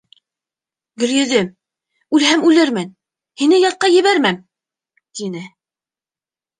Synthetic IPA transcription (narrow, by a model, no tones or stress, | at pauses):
ɡɵ̆ɾjɵ̆ðɘm | ʉlhæmʉlɘɾmɘn | hinɘjɑt̪̚qɑjɘ̆βæɾmæm | t̪inɘ